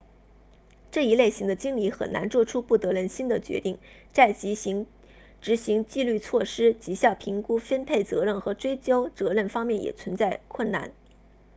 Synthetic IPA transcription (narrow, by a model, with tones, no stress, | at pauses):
ʈ͡ʂɤ˥˩i˧˥le˥˩ɪɕi˧˥ŋd̪ə˧t͡ɕi˥ŋli˧˥xə̰˨˩nna̰˧˥nt͡swɔ˥˩ʈ͡ʂʰu˥pu˥˩t̪ɤ˧˥ɻə˥˩nɕi˥nd̪ə˨t͡ɕɥɛ̰˧˥t̪i˥˩ŋ | t͡sa˥˩ɪt͡ɕi˧˥˧ | ʈ͡ʂɻ̩˧˥ɕi˧˥ŋt͡ɕi˥˧ly˥˧t͡sʰwɔ˥˩ʂɻ̩˥t͡ɕi˧˥ɕjɑ˥˩ʊpʰi˧˥ŋku˥fə˥npʰe˥˩ɪt͡sɤ˧˥ɻə˥˩nxɤ˧˥ʈ͡ʂwe˥ɪt͡ɕjo˥ʊt͡sɤ˧˥ɻə˥˩nfɑ˥ŋmjɛ˥˩njʔɛ̰˨˩t͡sʰwə˧˥nt͡sa˥˧ɪkʰwə˥˩nna̰˥˩n